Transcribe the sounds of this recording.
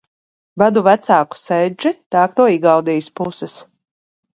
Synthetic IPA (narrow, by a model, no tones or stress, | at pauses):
vad̪uvæt̪saːku̥sɛjd͡ʒit̪aːkt̪uɔiɡawd̪ijspusɛs